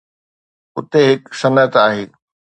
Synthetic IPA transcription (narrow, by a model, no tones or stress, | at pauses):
ʊt̪eɦɪksɐnət̪aːɦeː